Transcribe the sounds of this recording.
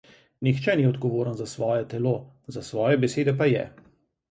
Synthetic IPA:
nixt͡ʃɛniɔd̪ɡɔʋoːɾənzasʋɔːjɛt̪ɛloː | zasʋɔːjɛbɛseːd̪ɛpajɛ̰

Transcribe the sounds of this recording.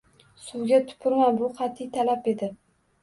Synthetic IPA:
sʊwɡʲat̪ʰʊ̥pʰʊɾmanbʊqɑt̪ʰːɪt̪ʰalape̞d̪ɪ

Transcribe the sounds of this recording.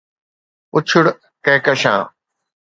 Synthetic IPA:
ʊt͡ɕʰʊɽ | kẽːkəʃã̰ː

